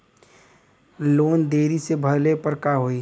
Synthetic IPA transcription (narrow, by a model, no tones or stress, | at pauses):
loːnd̪eːɾisebʱəlepəɾkaɦoːiː